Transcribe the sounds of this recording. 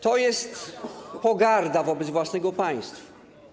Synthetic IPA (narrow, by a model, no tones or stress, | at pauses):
t̪ɔjɛst̪pɔɡaɾd̪avɔbɛd̪zvwasnɛɡɔpaj̃st̪f